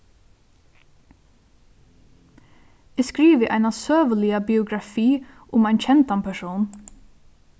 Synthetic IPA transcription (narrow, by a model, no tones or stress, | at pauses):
ɪːskɾiːʋɪʔajnasøːʋəlɪabiʊɡɾafiː | ʊmaɪnt͡ɕʰɛnt̪anpʰɛʂuːn